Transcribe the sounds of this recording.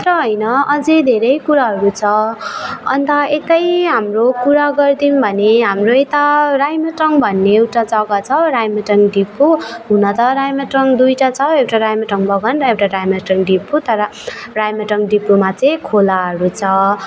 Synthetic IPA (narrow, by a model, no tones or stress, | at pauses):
ʈʌɦʌjnʌʌd͡zed̪ʱeɾʌjkuɾaɦʌɾut͡sʰʌ | ʌ̰nt̪ʌet̪ʌjɦamrokuɾaɡʌrd̪inbʱʌneɦamroet̪aɾajmʌʈʌŋbʱʌnːeewʈad͡zʌɡʌt͡sʰʌɾajmʌʈʌŋɖipuɦunʌt̪ʌɾajmʌʈʌŋd̪ujʈat͡sʰʌewʈaɾajmʌʈʌŋbʱʌɡʌnrʌewʈaɾajmaʈʌŋɖiput̪ʌɾʌrajmʌʈʌŋɖipːumat͡sʌj̃kʰolaɦʌɾut͡sʰʌ